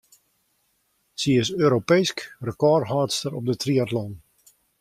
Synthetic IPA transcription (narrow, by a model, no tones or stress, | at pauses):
siɪsøːɾopejskrəkɔrɦaːtstəɾɔp̚dətriatlɔn